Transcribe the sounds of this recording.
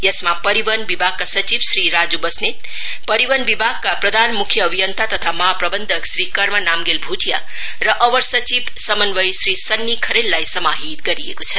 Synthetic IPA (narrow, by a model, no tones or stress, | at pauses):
jʌsmapʌɾibʌnbibʱaɡ̚kasʌt͡sibsɾiɾad͡zubʌsnet̪ | pʌɾiwʌnbibʱaɡ̚kaprʌd̪ʱanmukʰjʌːbʱijʌnt̪at̪ʌt̪ʰamʌɦaprʌbʌnd̪ʱʌksɾikʌɾmʌnamɡelbʱuʈʰija̰ | rʌʔʌbʌɾsʌt͡sibsʌmʌnbʌjsɾisʌnːikʰʌɾelːajsʌmaɦit̪̚ɡʌɾijekot͡sʰʌ